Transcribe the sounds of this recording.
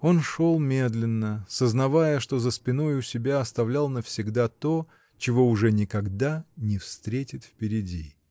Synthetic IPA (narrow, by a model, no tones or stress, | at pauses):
o̞nʂo̞lˠmʲe̞d̪lʲɪnːəsəznɐvajəʂt̪o̞zəspʲɪno̞jʊsʲɪbʲaɐst̪ɐvlʲalˠnəfsʲɪɡd̪at̪o̞ | t͡ɕɪvo̞ʊʐɛnʲɪkɐɡd̪anʲɪfst̪ɾʲetʲɪt̪fpʲɪɾʲɪdʲi